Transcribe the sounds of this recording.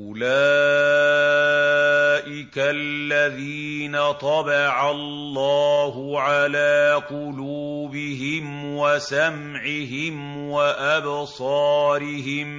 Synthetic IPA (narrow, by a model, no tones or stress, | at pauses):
ʔʊlaː | ʔɪkallːaðiːnat̪ˤɑbɑʕallːɑːɦʊʕalaːqʊluːbɪɦɪm | wasam | ʕɪɦɪm | waʔabsˤɑːɾɪɦɪm